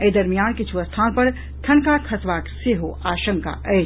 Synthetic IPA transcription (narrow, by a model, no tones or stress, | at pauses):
ed̪ɐɾmijaːnkɪt͡ʃʰuʋəst̪ʰaːnpɐɾ | t̪ʰɐnkakʰɐsʋaːkseɦoʔaːʃəŋka̰ʔɛː